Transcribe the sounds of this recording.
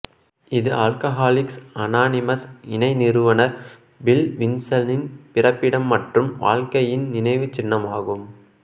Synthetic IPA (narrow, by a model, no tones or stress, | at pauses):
ɪðɯʔaːlkɐɦaːlɪksɐnaːnɪmɐsɪnɐɪnɪɾɯʋɐnɐɾ | bɪlʋɪnsɐlnɪnpɪrɐpːɪɽɐmːɐʈrɯmʋa̰ːɭkɐjɪnnɪnɐɪʋɯt͡ʃːɪnːɐmaːɣɯm